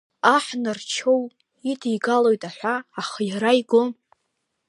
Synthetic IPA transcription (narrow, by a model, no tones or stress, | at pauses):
aħnɨrt͡ʃʰo̞w | itʰijɡalojtʼaħʷaːχajaɾajɡʷʊ